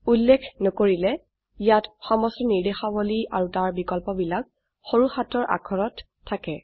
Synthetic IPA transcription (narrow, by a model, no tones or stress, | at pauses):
ulːekʰnɔkoɹilɛ | ijatxɔmɔstɔniɹdexabɔliaɹutaɹbikɔlpɔbilak̚ | xoɹuxatɔɹʔa̰kʰɔɹɔtʰː | akɛ